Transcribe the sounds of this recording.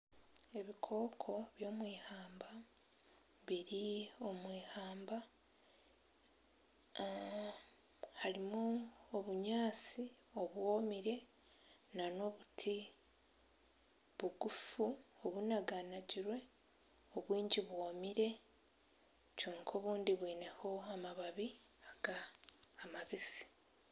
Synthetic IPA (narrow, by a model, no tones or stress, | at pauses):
e̞βikʰo̞ːkʰo̞βjo̞ːmwiːhaːmba | βiɾio̞mwiːhaːmba | haɾimuoβuɲaːt͡si | o̞βwomiɾe̞ | nano̞βutʰi | βuɡufuoβunaɡanaɟiɾwe̞ | oβwiːɲɟiβwoːmiɾe̞ | t͡ʃuːŋkʰo̞ːβuːndiβwiːne̞ho̞amaβaβi | aɡ̥aː | maβisi̥